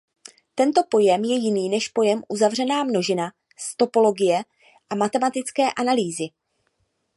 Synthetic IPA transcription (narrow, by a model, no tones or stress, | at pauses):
t̪ɛnt̪o̞po̞jɛmjɛjɪniːnɛʃpo̞jɛmʔuzavr̝ɛnaːmno̞ʒɪna | st̪o̞po̞lo̞ɡɪjɛ | ʔamat̪ɛmat̪ɪt͡skɛːʔanaliːzɪ